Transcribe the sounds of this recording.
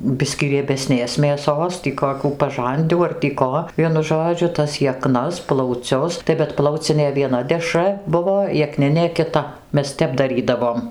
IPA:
ˈbʲɪsʲkʲiː rʲiɛbʲɛˈsʲnʲeːs mʲeːˈsoːs ˈtʲiː koːˈkʲuː pɐˈʒɐnʲdʲuː ɐr tʲiː ˈkoː ˈʋʲiɛnʊ ˈʒoːd͡ʒʲʊ tɐs jɛˈknɐs plˠɐʊˈt͡sʲʊs tɐɪ bʲɛt ˈplˠɐʊt͡sʲɪnʲeː ʋʲiɛˈnɐ dʲɛˈʃrɐ ˈbʊʋoː jɛˈknʲɪnʲeː kʲɪˈtɐ ˈmʲɛs ˈtʲɛp dɐˈrʲiːdɐʋoːm

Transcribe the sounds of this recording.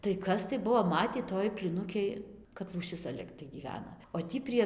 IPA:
tɐɪ ˈkɐs tɐɪ ˈbuɔ ˈmɑːtʲiː ˈtoːj pʲlʲiːˈnʊkʲeːj kɐt lˠuːˈʃʲɪs t͡sʲɛ ˈlʲɪktɐɪ ɡʲiːˈʋʲæːnɐ oː ˈtʲiː pʲrʲiɛ

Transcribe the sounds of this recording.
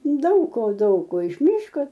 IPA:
ˈdɐʊk koː ˈdɐʊk koː ɪʃ ˈmʲiːʃkoː

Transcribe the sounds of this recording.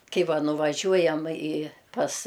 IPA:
ˈkɐɪ ˈʋɐ nʊʋɐˈʒʲuɔjɛm ɪ pɐs

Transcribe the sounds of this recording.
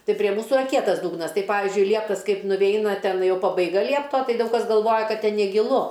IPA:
ˈtɐɪ pʲrʲiɛ ˈmuːsʊ ɪˈrɐ ˈkʲiɛtɐs ˈduːɡnɐs ˈtɐɪ ˈpɑːʋʲɪzʲd͡ʒʲʊɪ ˈlʲiɛptɐs ˈkɐɪp nʊˈʋʲɛɪnɐ ˈtʲɛn ˈjɛʊ pɐbɐɪˈɡɐ ˈlʲiɛptoː ˈtɐɪ ˈdɐʊk kɐs ɡɐlˠˈʋoːjɛ ˈkɐt ˈtʲɛn nʲɛɡʲɪˈlˠʊ

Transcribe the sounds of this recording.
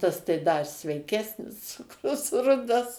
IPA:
ˈtɐs tɐɪ ˈdɐ ɪ sʲʋʲɛɪˈkʲæːsʲnʲɪs ˈt͡sʊkrʊs ˈrʊdɐs

